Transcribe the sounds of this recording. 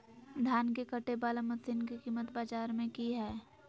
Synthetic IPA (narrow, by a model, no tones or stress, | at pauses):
d̪ʱjaːnkekəʈebaːləmət̪sɪnkikiːmət̪baːd͡ʒaːɾmẽkiɦɛː